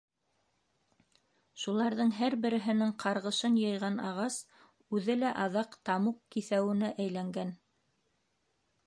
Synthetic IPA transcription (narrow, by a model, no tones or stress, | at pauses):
ʃulˠɑɾðɤɴɦæɾbɘ̆ɾɘ̆ɦɘ̆nɘɴqʰɑɾʁɤ̆ʃɤnjɤ̆jʁɑnɑʁɑs | ʉðɘlæʔɑðɑqt̪ɑmuqkiθæwɘ̆næʔæjlæŋɡæn